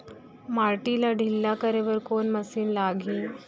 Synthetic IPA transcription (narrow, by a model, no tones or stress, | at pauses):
maɾʈilaɖʱilːakəɾeʋəɾkonməsiːnlaɡʱiː